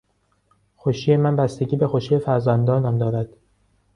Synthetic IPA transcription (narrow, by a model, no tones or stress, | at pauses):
xoʃiːjemænbæst̪eɟiːbe̞xoʃiːjefæɾzænd̪ɒːnæmd̪ɒːɾæd̪̥